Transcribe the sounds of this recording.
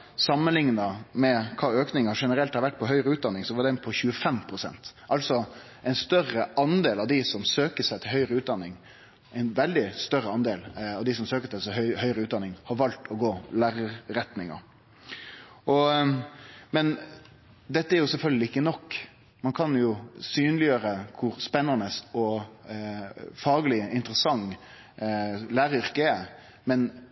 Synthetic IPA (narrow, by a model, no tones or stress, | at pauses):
sɑmːənlɪŋnəmɛkʰɑːøːknɪŋɑʂɛnəɾɛlt̪hɑɾʋæʈ̚ːpʰɔɦœʏɾəʉːt̪̚d̪ɑnːɪŋsɔʋɑd̪ɛnpʰɔçʉːəfɛmpʰɾʊsɛ̰nt̪ʔɑlsɔ | ɛɪnst̪œrəɑnd̪eːlɑʋd̪ɪsɔmsøːkəsæɪt̪ʰɪlɦœʏɾəʉːt̪̚d̪ɑnːɪŋ | ɛɪnʋɛld̪ɪst̪œɾəɑnd̪eːlɑʋd̪ɪsɔmsøːkət̪ʰɪlsɛœhœʏɾəʉːt̪d̪ɑnːɪŋhɑɾʋɑlt̪ʰɔɡoːlæːɾəɾɛt̪nɪŋɑ̰ | ʔɔ | mɛn | d̪ɛt̪ːəæɾjʊsɛlfœlɡlɪɪkːənɔkː | mɑnkʰɑnjʊsyːnlɪjøːɾəkʰʊɾspɛnːɑnəsɔ | fɑːɡlɪɪnt̪əɾəsɑŋ | læːɾəʏɾkəɛ | mɛn